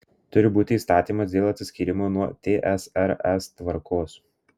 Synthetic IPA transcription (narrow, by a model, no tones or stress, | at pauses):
t̪ʊɾʲɪbuːt̪ʲɪiːst̪ɑːt̪ʲiːmɐsd̪ʲeːlˠɐt̪sʲɪsʲkʲiːɾʲɪmoːnuɔt̪ʲeːʔɛsɛɾɛst̪ʋɐɾkʰoːs